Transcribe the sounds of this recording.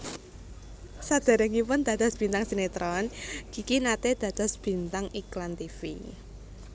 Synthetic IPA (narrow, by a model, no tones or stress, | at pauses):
sad̪̥a̤ɾɛŋipʊnd̪̥a̤d̪̥ɔ̤sb̥int̪aŋsinet̪ɾɔnɡ̥ikinat̪ed̪̥ä̤d̪̥ɔ̤sb̥i̤nt̪aŋiklant̪ifḭ